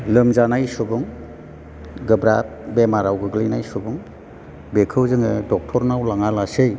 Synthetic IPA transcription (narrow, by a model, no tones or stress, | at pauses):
lɯmzanajsubuŋ | ɡɯbɾat̚ | bemaɾawɡɯɡlijnajsubuŋ | bekʰɯwzɯŋɯdɔk̚tʰɔɾnawlaŋalasɯj